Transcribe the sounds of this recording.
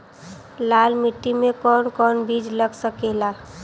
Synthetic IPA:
lalmiʈːimekɔnkɔnbid͡ʒləɡsəkela

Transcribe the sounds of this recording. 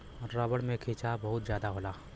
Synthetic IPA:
ɾɾaːbəɽmẽkʰiːt͡ʃabɐɦʊt̪zjaːd̪aɦoːlaː

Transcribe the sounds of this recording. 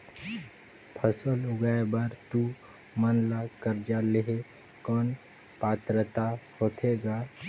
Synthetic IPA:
pʰəsəlʊɡajbəɾt̪u | mənlakəɾd͡ʒaleɦe | kɔːn | pat̪ɾət̪ahot̪ʰeɡa

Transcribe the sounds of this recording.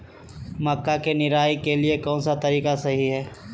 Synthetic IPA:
mɐkːakenɪɾaːikeliekɔ̃ːnsat̪ɐɾiːkasɐɦiɦɛː

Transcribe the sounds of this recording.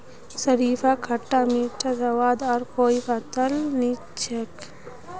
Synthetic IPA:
sɐɾiːfakʰɐʈːamiʈʰɐzɐʋaːd̪aɾkoːjpɐt̪ɐlnit͡ʃʰɐk

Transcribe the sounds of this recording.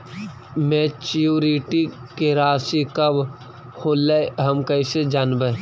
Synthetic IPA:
mẽt͡ʃjuːɾiʈi | keɾaːsikɐb | hoːleɦɐmkɐised͡ʒaːnbə

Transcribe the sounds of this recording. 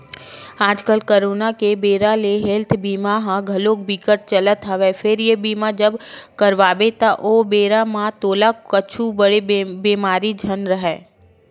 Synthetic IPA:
aːd͡ʒkəlkəɾoːnakebeːɾaleɦelt̪ʰbiːmaɦãɡʱɐloːkbikəʈ̚t͡ʃɐlət̪ɦəʋɛfʰɪɾjebiːmad͡ʒəbkɐɾʋaːʋet̪aʔoːbeːɾamãt̪oːlakət͡ʃʰubəɽebiːmaːɾid͡ʒʱənɾəɦɛː

